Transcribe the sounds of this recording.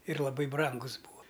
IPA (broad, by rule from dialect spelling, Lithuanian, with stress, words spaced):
ɪr lˠɐˈbɐɪ ˈbrɐŋɡʊs ˈbuːɐ